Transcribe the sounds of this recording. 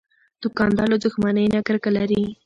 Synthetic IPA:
d̪̥ʊkɑnd̪ɑlod̪ʊxmanəjnakəɾkalaɾi

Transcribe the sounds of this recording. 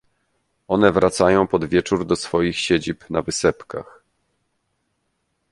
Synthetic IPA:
ɔnɛvɾat̪sajɔ̃w̃pɔd̪vʲjɛt͡ʂuɾd̪ɔsfɔjixɕed͡ʑipnavɘsɛpka̰x

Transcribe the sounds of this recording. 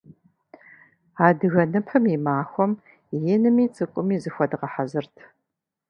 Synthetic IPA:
aːdɨɣɐnɨpħəmimaːxʷɔm | jɪnɨmiːt͡sʼɨkʷʼʊmiːzɨxʷɐdɨʁɐħazɨrtʰ

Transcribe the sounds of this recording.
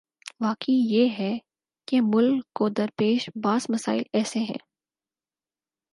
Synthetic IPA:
ʋaːkijeːɦɛ | kemʊlːod̪ɐɾpeːʃbaːzmɐsa̰ːɪlɛːseɦɛ̰̃ː

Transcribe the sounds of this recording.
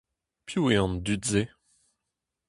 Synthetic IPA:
pjueɑ̃nd̪ytze

